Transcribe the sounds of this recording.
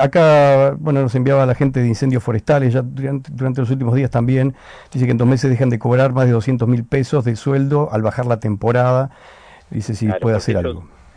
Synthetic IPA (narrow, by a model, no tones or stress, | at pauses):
akabwe̞nonose̞mbjaβaːlaxent̪eðeinse̞nd̪josfo̞ɾest̪alesʒad̪uɾant̪elosult̪̬imoðiast̪ambjend̪̥is̬ekent̪ome̞s̬ezðexand̪eko̞βɾaɾmazð̞e̞ð̞o̞sje̞nt̪omilpeso̞zðeswe̞ld̪o̞ʔalβaxaɾlat̪empo̞ɾaða | d̪ḭsesipwe̞ðeaseɾa̰lɣo̞̰